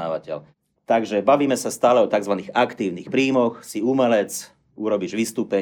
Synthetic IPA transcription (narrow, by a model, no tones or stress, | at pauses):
aːʋacɛ̰l | t̪aɡʒɛbaʋiːmɛsast̪aːlɛɔt̪aɡzʋaniːɣakt̪iːʊnixpɾiːmɔxsiumɛlɛt͡s | uɾɔbiʒʋist̪uːpɛ